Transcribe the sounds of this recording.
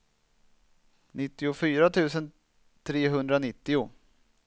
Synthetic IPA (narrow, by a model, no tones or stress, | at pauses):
nɪt̪ːɪʊfyːɾat̪ʰʉ̟ːsən | t̪ʰɾeːɦɵnd̪ɾanɪt̪ːɪʊ